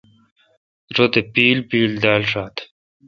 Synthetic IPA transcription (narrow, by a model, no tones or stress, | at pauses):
ɾod̪epiːlpiːld̪aːlʂaːt̪